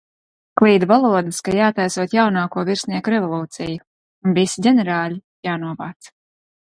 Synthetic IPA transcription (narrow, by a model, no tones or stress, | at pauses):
klˠiːd̪valˠuɔd̪ɨskajaːt̪ajsuɔːt̪jawnaːkuɔviɾsniɛkuɾɛvɔlˠuːt̪sijuː | nvisiɟʲɛnɛɾaːlʲi | jaːnuɔvaːt̪s